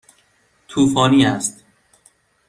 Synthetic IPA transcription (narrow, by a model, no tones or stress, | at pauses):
t̪ʰuːfɒːniːæst̪